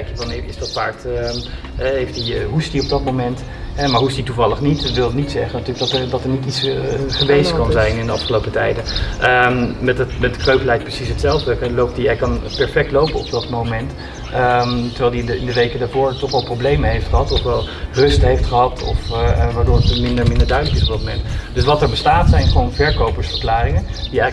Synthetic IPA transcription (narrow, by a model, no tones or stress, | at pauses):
ɛjkjəvɑnɪːɹɪ̰sdɑtfa̰ːktə | ɛɦejftdiɦustdiɔp̚dɑtmomɛnt | ɦɛmaːɹɦuɪstdituvɑlˠəχnitʋɪlˠdənitsɛχənatylək̚dɑtədɑtəɹnititsχəʋejskɑnzɛjnɪndəɑfχəlowpətɛjdəəmɛttmɛt̚də̥krøɥpəlɛjkt̚prəsisɦətsɛlˠvdəklowp̚tdiɛjkɑnpɛɹfɛk̚tlowpəɔp̚dɑtmomɛnt | ətəɹʋɛjlˠdiɪndəʋejkədaːɹvʊːɹtɔχʋɛlˠprowblejməɦejftχəɦɑtɔfʋɛlˠrɵstɦejftχəɦɑtʰɔ̰fʋaːɹdʊːɹətmɪndəɹmɪndəɹdœɥdələkɪsɔp̚dɑt̚momɛ̰ntdɵsʋɑtəɹbəstaːtsɛjnχəʋownvɛɹkowpəɹsfəɹklaːrɪŋə | d̥iɛj